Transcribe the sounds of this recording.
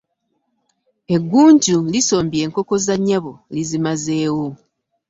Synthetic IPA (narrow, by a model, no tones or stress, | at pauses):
e̞ɡːuːɲɟuliso̞ːmbje̞ːŋko̞ko̞zaɲːaβolizimaze̞ːwo